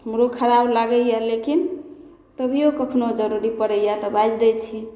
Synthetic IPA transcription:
həmɾokʰəɾablaɡəjalekin | t̪əbʱijokəkʰnod͡ʒəɾuɾipəɾəjat̪ɔbad͡ʒd̪ɛt͡ʃʰi

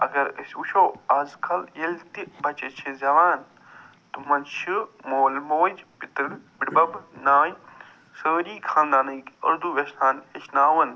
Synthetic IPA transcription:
ɐɡɐɾɐsʲuʃʰoːaːzkʰɐljelʲt̪ibɐt͡ʃɐt͡ʃʰizɐʋaːn | t̪umɐnʃʰɨmoːlmoːd͡ʒpit̪ɾɨnbiɽbɐbnaːj | səːɾiːkʰãːnd̪aːnɐjkɐ̰ɾd̪uʋeʃnaːneʃnaːʋɐn

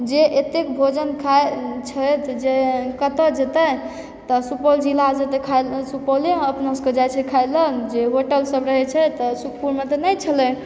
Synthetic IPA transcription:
d͡ʒeʔet̪ekbʱod͡ʒənkʰaet͡ʃʰət̪d͡ʒekət̪əd͡ʒet̪ə | t̪əsupɔld͡ʒilad͡ʒet̪ekʰajlsupɔleəpnaskəd͡ʒajt͡ʃʰɛkʰajlənd͡ʒeɦoʈəlsəbɾəɦɛt͡ʃʰɛt̪ɔsukʰpuɾmet̪ɔnəjt͡ʃʰəlɛ

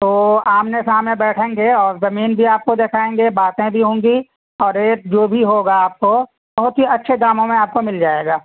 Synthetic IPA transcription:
t̪oːaːmnesaːmnẽbɛːʈʰẽːŋɡeɔːɾzɐmiːnbʱiaːp̚kod̪eːkʰaːẽːŋɡebaːt̪ẽbʱiɦõːŋɡi | ɔːɾeːd͡ʒoːbʱiɦoːɡaaːp̚ko | bɐɦʊt̪ɦiɐtːʃʰed̪aːmõmẽaːp̚komɪld͡ʒaːeːɡaː

